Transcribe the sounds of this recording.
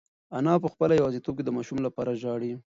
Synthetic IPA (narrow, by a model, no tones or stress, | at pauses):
anɑp̬əxpəlajawɑzit̪ob̚ked̪əmɑʃumlapɑɾaʒɑɽi